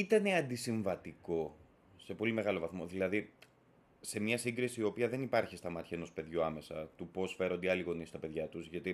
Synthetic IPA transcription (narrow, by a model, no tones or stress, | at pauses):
it̪ɐne̞ɐnd̪isiɱvɐt̪iko̞ | se̞po̞limeɣɐlovɐθmo̞ðilɐði | se̞mɲɐsiŋɡɾisiːo̞piɐðe̞nipɐɾçist̪ɐmɐt̪çɐeno̞speðʝuɐme̞sɐt̪upo̞sfe̞ɾo̞nd̪iɐliɣo̞nist̪ɐpe̞ðʝɐt̪uzʝɐt̪i